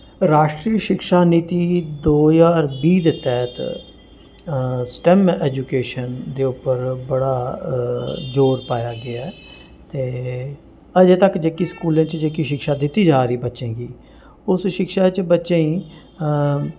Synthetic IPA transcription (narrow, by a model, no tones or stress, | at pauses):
ɾaːʃʈɾiːəʃɪkʃaːniːt̪iːd̪oːzaːɾbiːd̪et̪ɛːt̪ | sʈɛmɛːd͡ʒuːkeːʃənd̪eːʊpːəɾbəɽaː | d͡ʒoːɾpaːjaːɡɪaɛ | t̪eː | əd͡ʒeːt̪əkd͡ʒeːkiskuːlẽːt͡ʃd͡ʒeːkiʃɪkʃaːd̪ɪt̪ːiːd͡ʒaːɾəiːbətːʃẽːkiː | ʊsʃɪkʃaːt͡ʃbətːʃẽːĩː